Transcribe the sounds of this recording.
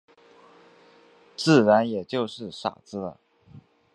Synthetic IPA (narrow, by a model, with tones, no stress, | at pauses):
t͡sɹ̩˥˩ɻa˧˥njɛ˨˩t͡ɕjo˥˧ʊʂɻ̩˥˩ʂa̰˨˩t͡sɹ̩˥lə̰˨